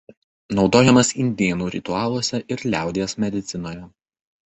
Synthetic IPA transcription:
nɒʊd̪oːjɛmɐsɪnʲd̪ʲeːnuːɾʲɪt̪ʊɑːlˠuɔsʲɛʔɪɾlʲæˑʊd̪ʲejɛsmʲɛd̪ʲɪt̪sʲɪnoːjɛ

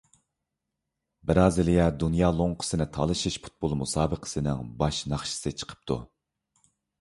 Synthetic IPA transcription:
bɪɾɑːzɪlɛd̪unjɑːlˠoŋqʰə̥sɨnɪt̪ʰɑ̰lˠɨʃiʃpʰu̥t̪̚bolˠmusɑːbəqʰə̥sɨnɪ̰ŋbɑʃnɑχʃi̥sɨt͡ʃʰə̥qʰə̥p̚t̪ʰṵ

